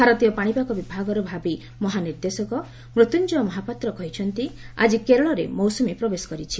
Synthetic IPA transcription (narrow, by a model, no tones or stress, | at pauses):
bʱaɾɔt̪ijɔpaɽ̃ipakɔbibʱaɡɔɾɔbʱabi | mɔɦaniɾd̪esɔkɔ | mɾut̪unt͡ʃɔmɔɦapat̪ɾɔkɔɦit͡ʃʰɔnt̪ia̰d͡ʒikeɾɔɭɔɾemɔwsɔmepɾɔbesɔ̥kɔɾit͡ʃʰi